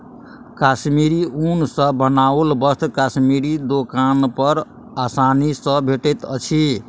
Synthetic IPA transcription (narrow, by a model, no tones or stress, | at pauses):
kasmiɾiunsə̃bənaolbʌst̪kasmiɾid̪okanpʌɾ | asanisə̃bʱeʈet̪ət͡ʃʰi